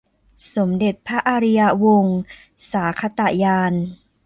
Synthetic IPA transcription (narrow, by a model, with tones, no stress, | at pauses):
so˩˦mde˨˩t̪̚pʰa˦˥ʔaː˧ɾi˧ja˧wo˧ŋ | saː˩˦kʰa˧˥t̪a˨˩jaː˧n